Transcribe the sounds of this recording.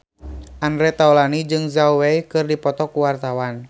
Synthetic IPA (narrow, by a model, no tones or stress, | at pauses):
ʔandɾɛt̪aulanid͡ʒɨŋzauwɛjkɨrdipɔt̪ɔkuwart̪awan